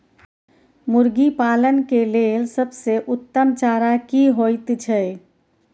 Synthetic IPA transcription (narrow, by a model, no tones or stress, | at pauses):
muɾɡipalənkelelsəbseʔut̪ːəmt͡ʃaɾakiɦojt̪t͡ʃʰəj